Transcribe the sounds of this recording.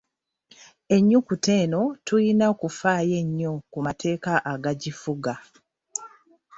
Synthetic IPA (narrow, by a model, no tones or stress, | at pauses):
e̞ɲːukute̞ːno̞tujinakufaːje̞ɲːokumatʰe̞ːkaʔaɡaɟifuɡa